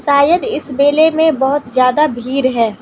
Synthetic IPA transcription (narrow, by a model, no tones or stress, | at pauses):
saːjəd̪ɪsbeːlemẽbɔɦʊt̪zjaːd̪abʱiːɾɦɛː